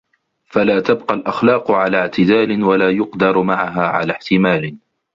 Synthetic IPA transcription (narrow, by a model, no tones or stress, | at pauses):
falaːt̪abqɑlʔaxlɑːqʊʕalaːʕt̪ɪd̪aːlɪnwalaːjʊqd̪ɑɾˤmaʕaɦaːʕa̰laːħt̪ɪmaːlɪ